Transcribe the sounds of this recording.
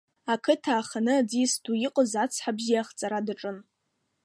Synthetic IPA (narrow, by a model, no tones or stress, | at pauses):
akʰɨtʰaːχanɨad͡zisdujiqʼəzat͡sʰħabʒijaχt͡sʼaɾadaʈ͡ʂʼɨn